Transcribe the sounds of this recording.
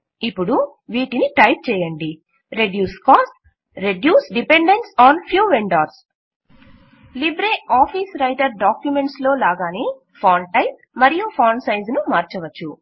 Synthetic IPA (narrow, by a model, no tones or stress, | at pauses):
ipːuɽu | ʋiːʈiniʈɐjp̚t͡ʃɛːjɐɳɖi | ɾe̞ɖjuːskaːsʈ̚ | ɾeɖjuːsɖipe̞ɳɖeɳʈsaːnpʰjuːʋeɳɖaːɾs | libɾeːaːpʰiːsɾɐjʈɐɾɖaːkjume̞ɳʈslo̞ːlaːɡaːneː | pʰaːɳʈɐjp̚mɐɾijupʰaːɳsɐjnd͡ʒnumaːɾt͡ʃɐʋɐt͡ʃːu